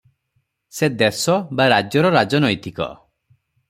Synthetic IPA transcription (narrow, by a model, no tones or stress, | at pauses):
sed̪esɔbaɾad͡ʒjɔɾɔɾad͡ʒɔnɔjt̪ikɔ̰